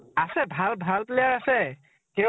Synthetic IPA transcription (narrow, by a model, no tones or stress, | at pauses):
asɛbʱalbʱalplɛjaɹasɛ | kɛ